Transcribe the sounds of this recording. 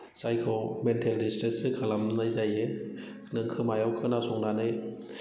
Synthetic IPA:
sajkʰɯwmentʰeldistɾisɯkʰɯlamnajzaje | nɯŋkʰɯmajawkʰɯnasɔŋnanɯj

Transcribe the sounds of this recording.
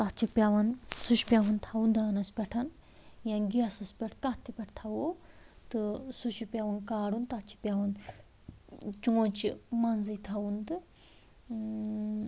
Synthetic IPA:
t̪ɐt͡ʃʰipʲjaʋɐnsuʃpʲjaʋɐnt̪ʰɐwund̪aːnɐspʲɛʈʰɐn | janɡiɐsɐspʲɛʈʰkɐt̪ʰipʲɛʈʰt̪ʰɐwot̪ɨsuʃipʲaʋɐnkaːɽunt̪ɐt͡ʃʰi̥pʲaʋɐn | t͡ʃuõt͡ʃḭmɐnzit̪ʰɐwund̪ɨ

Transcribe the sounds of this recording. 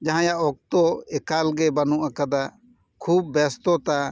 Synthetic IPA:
d͡ʒaɦãjaʔɔk̚t̪ɔɛkalɡɛbanuʔakad̪a | kʰub̚ːɛst̪ɔt̪a

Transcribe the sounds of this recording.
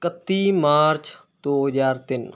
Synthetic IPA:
kət̪ːimaːɾt͡ʃ | d̪̥oːɦəzaːɾt̪ɪn

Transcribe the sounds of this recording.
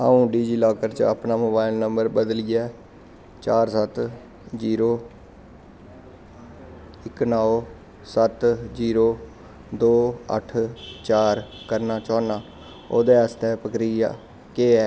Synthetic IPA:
a̰ːũːɖiːd͡ʒiːlaːkəɾt͡ʃə̰pnaːmoːbaːɪlnəmbəɾbəd̪lɪjɛː | t͡ʃaːɾsət̪ | d͡ʒiːɾoː | ɪknaːo | sət̪d͡ʒiːɾoː | d̪oːə̰ʈʰt͡ʃaːɾ | kəɾnaːt͡ʃɔːnaː | oːd̪eːəst̪ɛːpəkɾija̰ː | keːɛː

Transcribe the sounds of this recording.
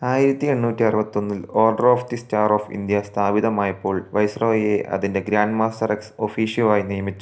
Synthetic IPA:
aːjiɾɐt̪ːie̞ɳːuːtːiɐrɐbɐt̪ːo̞nːilo̞ːrɖɐroːft̪istaːroːfḭnd̪jɐst̪ʰaːʋiðɐmaːjɐpːo̞ːɭʋɐjsroːje̞ʔʔɐ̰ðinde̞ɡɾaːnɖmaːstɐrekso̞fiːʂjɐʋaːjinijɐmit͡ɕːu

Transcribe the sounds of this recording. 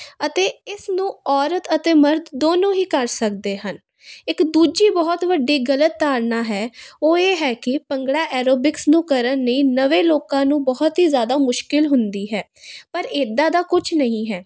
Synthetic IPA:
ət̪eːɪsnũːɔːɾət̪ət̪eːməɾd̪d̪oːnõːɦiːkəɾsək̚d̪eːɦən | ɪkd̪uːd͡ʒiːbɔːɔt̪ʋəɖːiːɡələt̪ːaːɾnaːɦɛːoːeːɦɛːkɪpəŋɡɽaːʔɛːɾoːbɪksnũːkəɾənːəĩːnəʋeːloːkãːnũːbɔːʊt̪ɦiːzjaːd̪aːmʊʃkɪlɦʊnd̪iːɦɛː | pəɾeːd̪ãːd̪aːkʊt͡ʃʰnəɦĩːɦɛː

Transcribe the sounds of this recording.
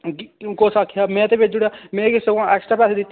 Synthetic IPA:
koːsaːkʰːijaːmɛ̃ːt̪eːʋɪt͡ʃd͡ʒɪːɽaːmɛ̃ːkɪsekãʔɛːksʈɾaːpɛːseːd̪ɪt̪ː

